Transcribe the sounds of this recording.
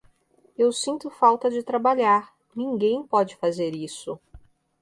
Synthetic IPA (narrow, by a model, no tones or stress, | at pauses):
ewsĩnt̪ʊfawt̪ɐd͡ʒɪt̪ɾabaʎaɾ | nĩŋɡẽj̃pɔd͡ʒɪfazeɾisʊ